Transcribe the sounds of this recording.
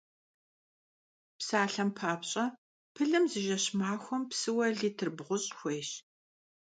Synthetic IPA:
psaːɬɐmpʰaːpɕʼɐ | pʰɨɮɨmzɨʒɐɕmaːxʷɔmpsɨwɐɮiːtʰɨrbʁʷʊɕʼxʷeːɕ

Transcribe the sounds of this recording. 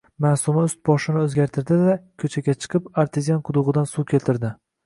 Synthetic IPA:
masʊmaʊst̪̚bɒʃɪnɪɵzɡʲaɾt̪ʰɪɾd̪ɪd̪akʲʰɵt͡ʃʰaɡʲat͡ʃʰɨ̥qʰɨpaɾt̪ʰezijanqʰʊd̪ʊʁɨd̪ansukʲʰe̞lt̪ʰɪɾd̪ɪ

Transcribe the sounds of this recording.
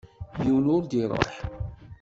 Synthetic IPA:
jəwnʊɾd̪iɾˤo̰ħ

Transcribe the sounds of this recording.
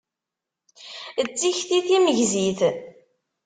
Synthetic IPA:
ət͡sːiçθiθiməʝziθ

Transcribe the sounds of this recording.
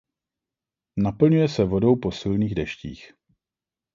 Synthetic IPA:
napl̩ɲujɛsɛvo̞do̞wpo̞sɪlniːɣdɛʃcḭːx

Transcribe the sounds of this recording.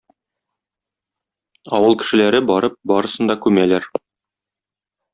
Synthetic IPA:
ɒwɤlˠkɘ̥̆ʃɘ̆læɾɘbɒɾɤp̚bɒɾɤ̆sɤ̆nd̪ɑkʉmælæɾ

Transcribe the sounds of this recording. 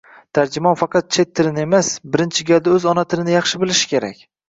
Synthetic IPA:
t̪ʰaɾd͡ʒɪmɒnfɑqʰɑt̪̚t͡ʃʰe̞t̪ʰːɪlɪne̞masbɪɾɪnt͡ʃʰɪɡʲald̪aɵzɒnat̪ʰɪlɪnɪjɑχʃɪbɪlɪʃɪ̥kʲʰe̞ɾa̰kʲ

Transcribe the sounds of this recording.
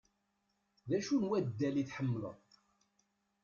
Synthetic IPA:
ðæʃunwæd̪ːæliθħəmːələ̰ðˤ

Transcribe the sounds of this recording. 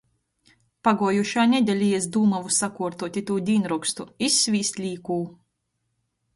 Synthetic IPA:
paɡuɔjuʃaːnʲɛd̪ʲɛlʲiɛzd̪uːmavusakuɔɾt̪uɔt̪ʲit̪uːd̪ʲiːnɾukst̪uisʲːvʲiːsʲt̪ʲlʲiːkuː

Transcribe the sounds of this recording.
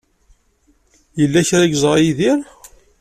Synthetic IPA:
jəlːæçɾæɡzˤʁjiðiɾ

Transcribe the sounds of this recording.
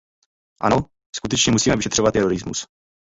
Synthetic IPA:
ʔa̰no | skut̪ɛt͡ʃɲɛmusiːmɛvɪʃɛt̪r̝̥ovat̪ːɛɾoɾɪzmṵs

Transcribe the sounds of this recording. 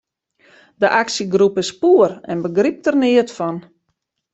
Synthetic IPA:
dəʔaksiɡrupəspuərɛ̰nbəɡrip̚tərnɪətfɔn

